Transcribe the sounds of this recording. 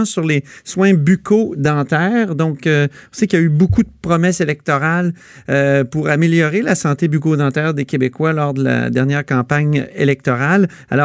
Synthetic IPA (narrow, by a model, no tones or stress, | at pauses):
syʁleswɛ̃bykʰod̪ɑ̃ːt̪ɛːʁd̪ɔ̃køɔ̃sekljaybokud̪əpʁɔmɛselɛk̚t̪ɔʁal | øpuʁameljɔʁelasɑ̃t̪ebykod̪ɑ̃t̪ɛːʁd̪ekʲebekwalɔːʁd̪əla̰d̪ɛʁnjɛːʁkɑ̃ːpaɲelɛk̚t̪ɔʁal | a̰lɔ